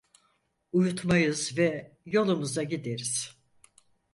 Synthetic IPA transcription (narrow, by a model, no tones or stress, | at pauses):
ujut̪majɯzvɛ | jo̞lˠumuzaɟid̪eɾiz̥